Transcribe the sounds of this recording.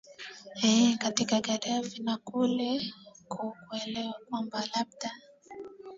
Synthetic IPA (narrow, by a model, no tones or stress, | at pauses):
ɛkatikaɡaɾavinakulɛkukuɛlɛwakwambalab̚da